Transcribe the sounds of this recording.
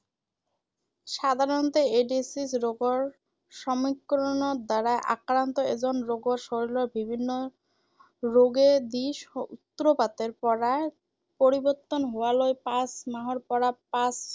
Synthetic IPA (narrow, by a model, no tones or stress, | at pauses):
ʃad̪ʱaɾont̪eeɖisisɾoɡoɾ | ʃɔmikːɾonoɾd̪aɾaeʔa̰kɾant̪oed͡ʑonɾoɡoɾʃoɾiloɾbibʱinːo | ɾoɡed̪iʃut̪ːɾopat̪eɾpɔɾae | poɾiboɾt̪ːonɦoalojpasmaɦoɾpɔɾapas